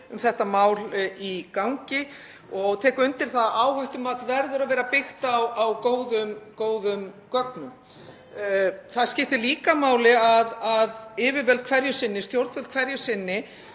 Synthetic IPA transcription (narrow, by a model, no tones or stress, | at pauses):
ʏmθɛht̪amaːwlikawŋcɪ | ɔɣt̪ʰɛːkʏnt̪ɪɾ̥θaðaːwhajht̪ʏmat̪vɛɾðʏɾavɛːɾapɪxt̪awawkoːwðʏmkoːwðʏmkœk̚nʏm | θaðscɪft̪ɪliːkamaːwlɪaðaðɪːvɪɾvɛlt̪̚kʰvɛɾjʏsɪnːɪst̪jowɾt̪vɛlt̪kʰvɛɾjʏsɪnːɪ